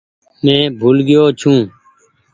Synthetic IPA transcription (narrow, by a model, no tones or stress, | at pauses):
mẽːbʱuːlɡɪjoːt͡ʃʰũː